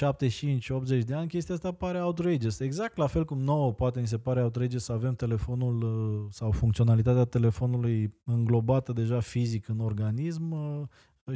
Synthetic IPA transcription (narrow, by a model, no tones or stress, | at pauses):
ʃap̚t̪e̞t͡ʃint͡ʃʲo̞pt̪ze̞t͡ʃʲd̪e̞anʲkʲest̪iast̪apaɾe̞aut̪ɾejd͡ʒese̞ɡzak̚t̪lafe̞lkumno̞wəpoat̪e̞mis̬e̞paɾeaut̪ɾejd͡ʒesəave̞mt̪e̞le̞fo̞nulsawfuŋkt̪sio̞nalit̪at̪eat̪e̞le̞fo̞nulujɨŋɡlo̞bat̪əd̪e̞ʒafizikɨno̞rɡanis̬m